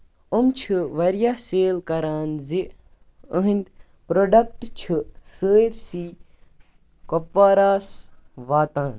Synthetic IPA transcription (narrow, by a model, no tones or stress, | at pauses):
umt͡ʃʰɨʋɐɾjaseːlkɐɾaːnzi | əɦind̪ʲ | pɾoɖɐk̚ʈt͡ʃʰɨsəːɾsiː | kopʋaːɾaːsʋaːt̪aːn